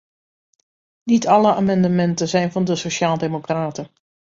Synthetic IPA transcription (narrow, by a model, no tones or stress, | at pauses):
nitʰɑləaːmɑndəmɛntənzɛjnvɑndəsoʃaːlˠdemokraːtən